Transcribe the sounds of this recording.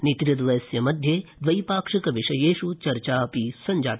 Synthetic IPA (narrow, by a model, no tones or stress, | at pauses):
nit̪ɾɐd̪ʋɐjɐsjɐmɐd̪ʱjed̪ʋɐjpaːkʂikɐʋɪʂɐjeːʃut͡ʃɐɾt͡ʃaːpisɐɲd͡ʒaːt̪